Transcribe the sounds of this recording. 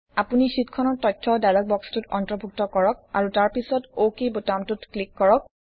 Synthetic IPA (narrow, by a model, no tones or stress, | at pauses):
apunisitkʰɔnɔɹtɔjtʰːɔdajlɔk̚bɔkstutɔ̰ntɹɔbʱuk̚tɔkɔɹɔk̚a̰ɹutaɹpisɔtokebotantutklikːɔɹɔk̚